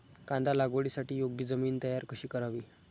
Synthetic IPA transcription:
kãnd̪alaɡʋoɭiːsaʈiːjoɡ̚d̪iːd͡zəmiːnt̪əjaɾkəɕiːkəɾaʋiː

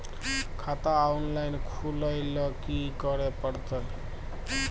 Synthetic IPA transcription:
kʰat̪aunlajnkʰuləjlʌkikʌɾepəɽt̪əl

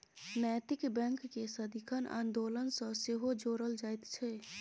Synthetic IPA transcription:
nɛːt̪ɪkbɛ̃ŋkːesəd̪ʱikʰənã̰ːnd̪oːlənsə̃seɦod͡ʒoːɾəld͡ʒaːjt̪t͡ʃʰɛ

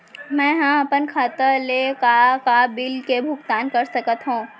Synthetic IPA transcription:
mɛ̃ːɦãɐpənkʰaːt̪əlekakabɪlkebʱʊɡt̪aːnkɐɾsɐkət̪ɦũː

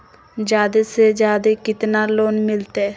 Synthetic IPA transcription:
d͡ʒjaːd̪esed͡ʒjaːd̪ekɪt̪naːloːnmɪlt̪eː

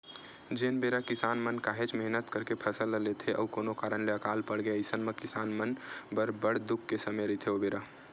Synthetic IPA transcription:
d͡ʒenbeɾakɪsaːnmənkaɦet͡ʃməɦnət̪kəɾkepʰəsəlːəlet̪ʰeʔəukoːnokaːɾənleəkalpəɽɡeəɪsənmekɪsanmənbəɾbəɽd̪ukʰːesəmeɾəɦit̪ʰeobeɾa

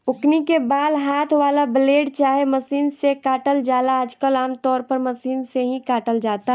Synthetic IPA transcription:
ʊknikebaːd̪ɦaːt̪ʰʋaːlabəleːɖt͡ʃaːɦeməsiːnsekaːʈəld͡ʒaːlaːd͡ʒkəlaːmt̪ɔːɾpəɾməsiːnseɦĩkaːʈəld͡ʒaːt̪a

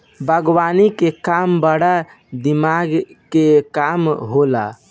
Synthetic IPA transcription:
bʱəɡwanikekambəɽa | d̪imaɡkekamɦola̰

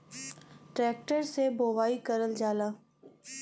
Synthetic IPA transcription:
ʈɾɛːk̚ʈəɾseboːʋaːikəɾəld͡ʒaːlaː

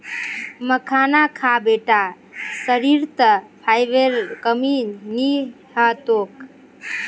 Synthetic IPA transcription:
məkʰanakʰabeʈa | səɾiɾt̪əpʰajʋeɾkəmini | hət̪ok

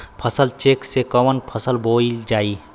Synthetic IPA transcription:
pʰəsəlt͡ʃeːksekəʋənpʰəsəlboid͡ʒaːi

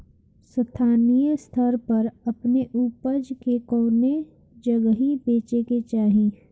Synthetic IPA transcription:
sət̪ʰaːnijst̪ʰəɾpɐɾɐpneʔuːpəd͡ʒkekɔːne | d͡ʒɐɡɦibeːt͡ʃeket͡ʃaːɦĩ

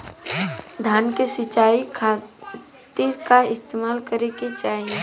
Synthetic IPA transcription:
d̪ʱaːnkesɪt͡ʃaːikʰa | t̪iːɾkaɪst̪eːmaːlkəɾeket͡ʃaːɦie

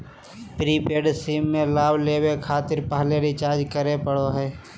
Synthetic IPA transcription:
pɾipeːɖsiːmːẽlaːbleːwekʰaːt̪ɪɾpaːleɾit͡ʃaːɾd͡ʒkəɾepəɽoɦɛː

